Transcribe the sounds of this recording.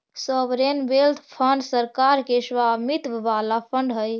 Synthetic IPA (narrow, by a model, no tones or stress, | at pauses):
səbɾenbeld̪ʰpʰəɳɖsəɾkaɾkesʋamit̪ʋʋalapʰəɳɖɦəj